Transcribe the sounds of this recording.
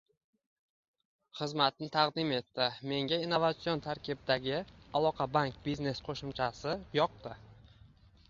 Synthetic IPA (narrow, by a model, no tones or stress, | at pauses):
χɨzmat̪̚nɪt̪ʰɑqd̪ɪme̞t̪ːɪme̞ŋɡʲainːovat̪sijont̪ʰaɾkʲʰibɪd̪aɡʲɪalˠɒqʰɑbaŋkbizne̞sqʰoʃɪmt͡ʃʰasɪjɒq̚t̪ɪ